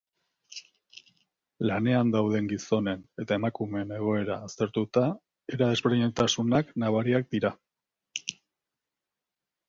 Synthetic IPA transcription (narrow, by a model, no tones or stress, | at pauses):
lane̞and̪awðe̞ŋɡiso̞ne̞ne̞t̪ae̞makumeːne̞ɣ̞o̞e̞ɾaːst̪e̞ɾt̪ut̪a | eɾaðe̞zβeɾiɲet̪asunaknaβaɾiak̚d̪iɾa